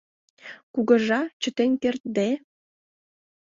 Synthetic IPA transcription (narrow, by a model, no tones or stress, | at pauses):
kuɣə̆ʒɑt͡ɕə̆t̪enkert̪̚d̪e